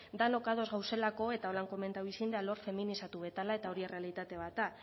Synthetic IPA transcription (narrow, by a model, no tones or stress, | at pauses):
d̪ano̞kað̞o̞zɣawse̞lako̞e̞t̪ao̞laŋko̞me̞nt̪awisind̪ealo̞ɾfe̞minisat̪uβe̞t̪alae̞t̪ao̞ɾie̞re̞alit̪at̪e̞β̞at̪a